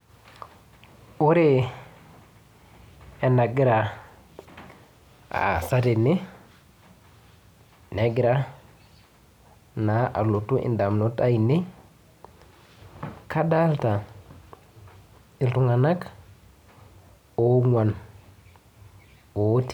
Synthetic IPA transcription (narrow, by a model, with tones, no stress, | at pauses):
u˦ɾe˦ | e˨na˨ɡi˦ɾa˨ | a̰˨sa˦te˨ni˦ | ne˨ɡi˦ɾa˦ | na˨ʔa̰˨lo˨tu˦ʔḭ˨nda˨mno˦ta˦i˨ni˦ | ka˦da˦lta˨ | i˨ltu˦ŋa˨na˦k | o˦ŋwa˨n | o˨˦ti̥˨